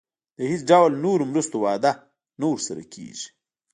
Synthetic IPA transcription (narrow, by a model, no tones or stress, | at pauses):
d̪əhit͡sɖawlnoɾomɾust̪owɑːd̪a | noɾsaɾa̰kʰḛːʒi̥